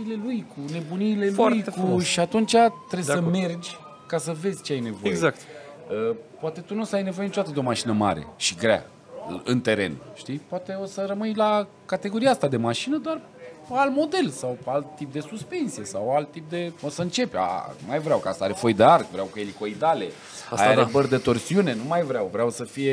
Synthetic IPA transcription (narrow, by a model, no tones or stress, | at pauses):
ile̞lujkune̞bunile̞ljkuʃiat̪unt͡ʃat̪ɾebsəme̞rd͡ʒʲ | kasəve̞zʲt͡ʃeajne̞vo̞ejɡeakt̪ | əpoat̪e̞t̪unusəajne̞vo̞jenit͡ʃot̪at̪əd̪eo̞maʃinəma̰ɾḛʃiɡɾea̰ | ɨnt̪e̞ɾe̞̰nʃt̪ipowat̪e̞o̞səɾəmɨjla | kat̪e̞ɡo̞ɾijaast̪ad̪e̞maʃinəd̪ar | palmo̞d̪e̞lsawalt̪ːip̚d̪e̞suspe̞nt̪sije̞sawalt̪ːip̚d̪e̞osəɨnt͡ʃe̞pʲa̰majvɾʲawkasəaɾefojd̪earɡvɾeawkeliko̞id̪ale̞ | a̰aɾebərd̪et̪o̞rsiune̞numajvɾʲeawvɾeawsəfije̞